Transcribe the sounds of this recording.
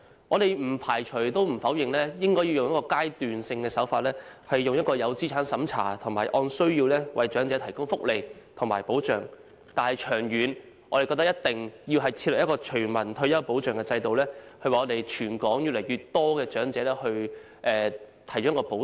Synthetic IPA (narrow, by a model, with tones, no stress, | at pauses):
ʔɔː˨˧d̪e˨jm̩˨˩pʰaː˨˩jt͡ʃʰɵ˨˩ɥt̪o˥wm̩˨˩fɐ˨˥wjɪ˨ŋlɛː˥jɪ˥ŋkɔː˥jiː˧wjʊ˨ŋjɐ˥kɔː˧kaː˥jt̪yː˨nsɪ˧ŋkɛː˧sɐ˨˥wfaː˧t̚lɛː˥hɐ˨jːʊ˨ŋjɐ˥t̚kɔː˧jɐ˨˧wt͡siː˥t͡sʰaː˨˥nsɐ˨˥mt͡sʰa̰ː˨˩t̪ʰʊ˨˩ŋmaː˨˩jʔɔː˧nsɵ˥ɥjiː˧wlɛː˥wʔɐ˨jt͡ʃœː˨˥ŋt͡sɛː˨˥t̪ʰɐ˨˩jkʊ˥ŋfʊ˥k̚le˨˧jt̪ʰʊ˨˩ŋmaː˨˩jpo˨˥wt͡ʃœː˨˩ŋ | t̪aː˨nhɐ˨˩jt͡ʃʰœː˨˩ŋjyː˨˧n | ɔː˨˧e˨kɔ˧t̪ɐ˥jɐ˥t̚t̪ɪ˨ŋji˧wɦɐ˨jt͡sʰiː˧tlɛ˨˩jɐ˥kɔː˧t͡ʃʰɵ˨˩ɥmɐ˨˩nt̪ʰɵ˧ɥjɐ˥wpo˨˥wt͡ʃœː˨ŋkɛ˧t͡sɐ˧jt̪o˨wlɛː˥hɵ˧ɥwaː˨˩ɔː˨˧e˨jt͡ʃʰyː˨˩nkɔː˨˥ŋjy˨lɐ˨˩jɥyː˨˩t̚t̪ɔː˥kɛː˧t͡ʃœː˨˥ŋt͡sɛː˨˥lɛː˥hɵ˧ | ʔɛː˧t̪ʰɐ˨˩jt͡ɕɔː˨˥ɐ˥kɔː˧po˨˥